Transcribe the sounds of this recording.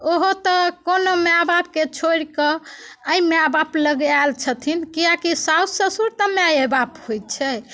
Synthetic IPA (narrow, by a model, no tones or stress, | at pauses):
oɦot̪ɔkonomeabap̚ket͡ʃʰoɾkəəimeabapləɡalt͡ʃʰət̪ʰinkiakisausəsuɾt̪əmeaebaphojt͡ʃʰɛ